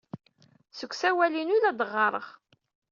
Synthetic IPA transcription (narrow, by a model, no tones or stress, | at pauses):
səkʷːsæwælinulæd̪əʁːɑɾˤəʁ